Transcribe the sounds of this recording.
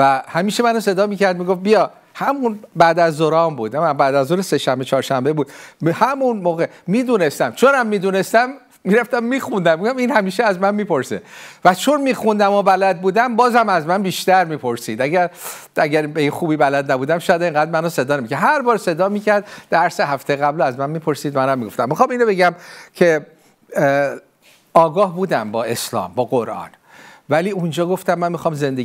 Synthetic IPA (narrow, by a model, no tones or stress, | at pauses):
væhæmiːʃemænɔse̞d̪ɒːmiːcæɾd̪miːɡof̚bijɒː | hæmunbæːd̪æzd̪oɾɒːmbuːd̪æmæmbæːd̪æzuɾese̞ʃæmbet͡ʃʰɒːɾʃæmbebuːd̪̥hæmunmoːɣe | miːd̪uːnest̪æmt͡ʃʰonæmːiːd̪unest̪æmː | iːɾæft̪æmːiːxund̪æmːeoæmiːnhæmiːʃeæzmænmiːpo̞ɾsḛvæt͡ʃʰonmiːxund̪æmobælæd̪̚buːd̪æmbɒːzhæmæzmænbiːʃt̪æɾmiːpʰo̞ɾsiːd̪æɟæɾæɟæɾbeinxuːbiːbælæd̪næbuːd̪æmʃɒːjæd̪eŋɡæːd̪mænose̞d̪ɒːnemicʰæɾhæɾbɒːɾse̞d̪ɒːmiːcʰæɾd̪d̪ːæɾseɦæft̪ejeɣæblæzmænmiːpʰo̞ɾsiːd̪mænæmːiɡo̞ft̪æmːixɒːminɾobeɡæmcʰe | ɒːɡɒːhbuːd̪æmbɒːe̞slɒ̰ːmbɒːɡoɾʔɒ̰ːn | væliːund͡ʒɒːɡoft̪æmːænmixɒːmze̞nd̪e